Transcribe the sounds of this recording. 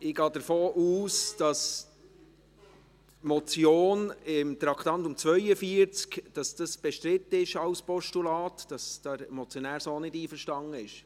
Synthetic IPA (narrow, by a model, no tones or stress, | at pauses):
ɪɡ̥ɑːd̥əɾfoːʔuːsd̥ɑs | mɔt͡sjoːnɪmt̪ɾɑkʰt̪ɑntʊmt͡sʋœʏəfiəɾt͡skd̥ɑsd̥ɑsb̥ɛʃtɾɪt̪ːəɪʃɑwspɔʃtulɑːt̪d̥ɑsd̥̪ɑɾɛmɔt͡sjɔnæːɾsoːnɪdiːfəɾʃtɑŋəɪʃ